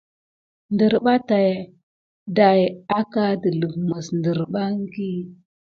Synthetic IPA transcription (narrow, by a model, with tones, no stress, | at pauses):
ndə˨ɾɓa˦ta˨j | da˨ja˦ka˦də˨lu˨vmə˨sndə˨ɾɓa˦ŋ˦ɡi˦